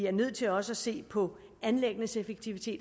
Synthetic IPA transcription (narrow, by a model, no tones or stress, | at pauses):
iæɐnøð̞̰ˠt͡sʰe̝lɒ̽səæse̝̰ːpʰɒ̽ | ænleɡ̥ənəsefeɡ̥̚t͡sʰiʋit͡sʰe̝̰ːd